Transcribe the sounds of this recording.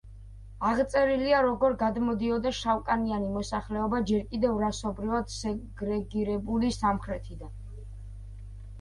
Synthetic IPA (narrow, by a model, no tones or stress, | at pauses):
aʁt̪sʼɛɾiliaɾɔɡɔɾɡad̪mɔd̪iɔd̪aʃawkʼanianimɔsaχlɛɔbad͡ʒɛɾkʼid̪ɛvɾasɔbɾivad̪̥sɛɡɾɛɡiɾɛbulisamχɾɛt̪ʰid̪an